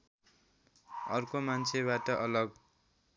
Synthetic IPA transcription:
ʌrkomant͡sʰeβaʈʌʔʌlʌɡ

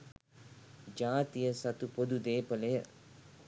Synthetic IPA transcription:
d͡ʒaːt̪ijəsat̪upod̪ud̪eːpəlejə

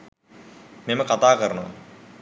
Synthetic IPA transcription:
meməkat̪aːkəɾənəʋa̰

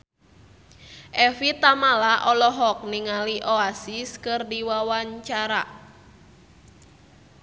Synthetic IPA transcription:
ʔɛfit̪amalaʔɔlɔɦɔk̚niŋaliʔoasiskɨrdiwawaɲt͡ʃaɾa

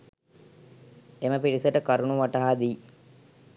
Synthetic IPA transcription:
eməpiɾisəʈəkaɾunuʋaʈaɦad̪iː

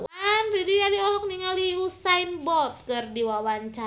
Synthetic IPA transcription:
wanridialiɔlɔk̚niŋaliusainbɔt̪̚kɨrdiwawaɲt͡ʃa

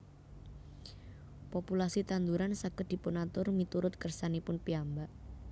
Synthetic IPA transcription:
pɔpulasit̪and̪uɾansakəd̪̥i̤pʊnat̪ʊrmit̪uɾʊt̪̚kərsanipʊnpiambaʔ

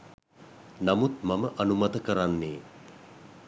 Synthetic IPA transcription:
namut̪maməʔɐnumɐt̪əkəɾanːeː

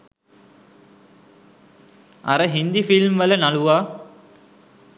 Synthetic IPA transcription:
a̰ɾəɦind̪ifilmʋələnaluʋaː

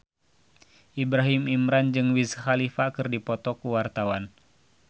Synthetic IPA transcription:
ʔibɾaɦimimɾand͡ʒɨŋwizhalifakɨrdipɔt̪ɔkuwart̪awan

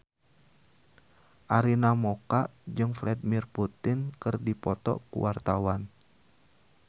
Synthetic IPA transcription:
ʔaɾinamokaʔd͡ʒɨŋflɛdimirput̪ɪnkɨrdipɔt̪ɔ̰kṵwart̪awan

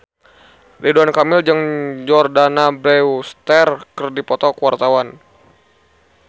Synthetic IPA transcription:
lʔiduankamɪld͡ʒəŋd͡ʒɔrdanabɾɛwust̪ɛrkərdipɔt̪ɔkəwart̪awan

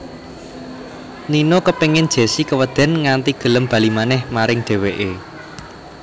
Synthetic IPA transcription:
ninokəpeŋɪn̥ʒ̥e̤sikəwəd̪̥ɛ̤nŋant̪iɡ̥ə̤ləmb̥ä̤limanɛhmaɾɪŋɖ̥e̤weʔe

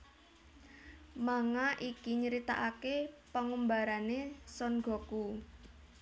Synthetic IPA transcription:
maŋaʔikiɲəɾit̪a̰ʔakepəŋumbaɾanesɔnɡɔ̤ku

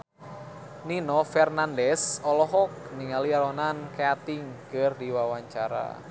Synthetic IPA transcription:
ninɔfɛrnandɛsɔlɔɦɔk̚niŋaliaɾɔnankeat̪ɪŋkərdiwawaɲt͡ʃaɾa̰

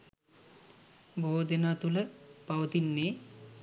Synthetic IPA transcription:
bʱoːd̪enaːt̪uləpaʋət̪inːeː

